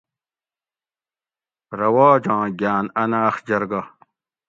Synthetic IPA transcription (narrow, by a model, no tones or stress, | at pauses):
ɾɐwaːd͡ʑãːɡʲjaːnɐnaːxd͡ʑɐɾɡa